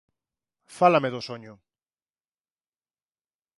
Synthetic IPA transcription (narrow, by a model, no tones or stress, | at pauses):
falameðosoɲʊ